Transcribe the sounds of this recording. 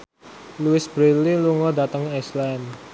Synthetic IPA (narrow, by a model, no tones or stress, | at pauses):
luɪsb̥ɾililuŋɔdat̪əŋɛslɛn